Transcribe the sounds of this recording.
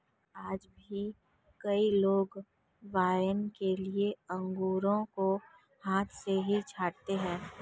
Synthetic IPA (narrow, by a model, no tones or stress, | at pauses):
aːd͡ʒbʱi | kɐiloːɡ | ʋaːjənkelieɐ̃ŋɡuːɾõko | haːt̪ʰseɦit͡ʃʰaːɽt̪eɦɛ̃ː